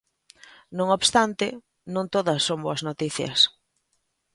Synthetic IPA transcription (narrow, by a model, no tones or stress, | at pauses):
nõŋoβst̪ant̪ɪ | nõŋt̪oðɐsːoŋboɐznot̪iθjɐ̰s